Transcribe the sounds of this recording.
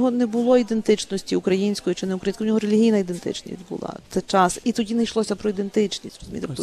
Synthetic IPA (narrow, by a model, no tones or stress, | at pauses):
ɦɔnɛbʊlˠɔid̪ent̪ɪt͡ʃnɔsʲtʲiukɾɐjinʲsʲkɔjit͡ʃɪnɛʊkɾɐjinʲsʲkwnʲɔɦɔɾelʲiɦʲijnɐid̪ent̪ɪ̰t͡ʃnʲḭsʲtʲbʊ̰lˠɑ̰t̪ɛt͡ʃɑsit̪ɔdʲinɐjʃlˠɔsʲɐpɾɔid̪ent̪ɪt͡ʃnʲisʲrɔzʊmʲḭt̪ep